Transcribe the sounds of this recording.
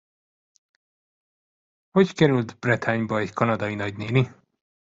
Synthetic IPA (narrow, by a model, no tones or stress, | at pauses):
ho̞ckɛɾylt̪brɛt̪ʰaːɲbɒɛɟkʰɒnɒd̪ɒinɒɟneːli